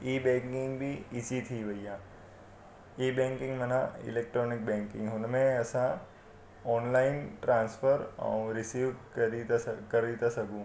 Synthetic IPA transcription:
iːbẽːŋkɪ̃ŋɡbʱiɪt͡ʃit̪ʰiʋɐijãː | iːbẽːŋkɪ̃ŋɡmɐnãɪ̰leːk̚ʈɾɔːnɪk̚bẽːŋkɪ̰̃ŋɡɦʊnmẽɐsã | ɔːnlaːɪnʈɾãːnsfəɾə̰̃ũɾɪsiːʋɾikɐɾit̪asɐɡʱũː

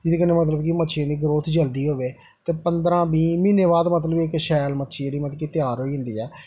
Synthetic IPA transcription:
d͡ʒɪd̪iːkəneːmət̪ləbkimətːʃʰãːd̪iːɡɾoːt̪ʰd͡ʒəld̪iːɦoːʋeː | t̪eːpənd̪ɾãːbiːmiːneːbaːd̪mət̪̬ləbɪkʃɛːlmətːʃiediːmət̪kit̪ɪjaːɾɦoːiːɦʊ̃nd̪ḭːɛː

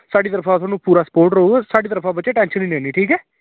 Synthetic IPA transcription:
saːɖiːt̪əɾəfʰaːsaːnũːpuːɾaːsə̥poːɾʈɾəuɛːsaːɖiːt̪əɾəfʰaːbətːt͡ʃeːʈɛ̃ːnʃəninẽːniːʈʰiːkɛː

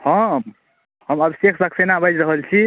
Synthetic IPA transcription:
hə̃ | həməbisekʰbəksenabəd͡ʒɾəɦəlt͡ʃʰi

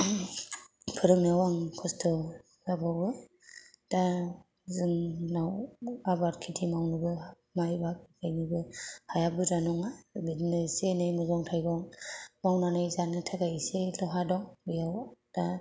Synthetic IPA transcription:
pʰɯɾɯmnawaŋkʰɔstʰɔ | ɡabawbɯ | d̥a | zɯŋnawabaɾkʰitʰimawnɯbɯ | majbak̚kajnɯbɯhajabɯzanɔŋabidnɯsenɯjmɯzɔŋtʰajɡɔŋmawnanɯjzanɯtʰaɡajselɔɦadɔŋbijawd̥a

